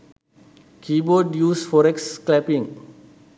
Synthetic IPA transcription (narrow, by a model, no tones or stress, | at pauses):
kʰibɔdjuːsfɔɾɛksklɛpĩŋ